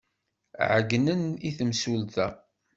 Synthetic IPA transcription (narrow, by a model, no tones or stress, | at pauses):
ʕəɡnəniθəmsult̪æ